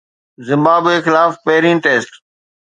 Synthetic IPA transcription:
zɪ̃mbaːbeːxɪlaːfpeɦɾiːnʈeːsʈ

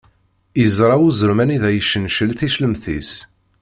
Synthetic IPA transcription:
jəzˤɾˤɑwuzəɾmæniðæjəʃːənʃəlθiʃləmθḭs

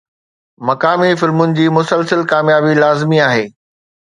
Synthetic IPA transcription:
mɐkaːmifɪlmʊnɪ̆d͡ʑiːmʊsəlsəlkaːmjaːbilaːzɪmiaːɦeː

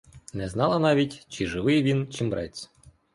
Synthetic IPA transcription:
nɛznɑlˠɐnɑʋʲitʲt͡ʃiʒɪʋɪjʋʲint͡ʃimbɾɛt͡sʲ

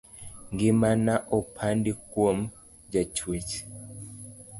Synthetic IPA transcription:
ŋɡimanaʔɔpʰandikwom | d͡ʒat͡ʃwit͡ʃi̥

